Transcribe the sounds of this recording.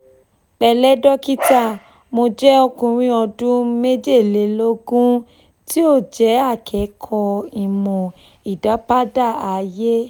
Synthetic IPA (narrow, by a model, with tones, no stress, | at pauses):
k͡pɛ˨˧lɛ˦dɔ˦ki˦ta˦˨ | mo˧d͡ʒɛ˦o˧kũ˧ɾ̃ĩ˦ɔ˧dũ˦me˦d͡ʒe˦˨le˨˦lo˦ɡũ˦ | ti˦o˦˨d͡ʒɛ˨˦a˦˨kʰɛ˨˦kʰɔ˧i˨mɔ̃˨ | i˨da˨˦pa˦da˦˨a˨je˦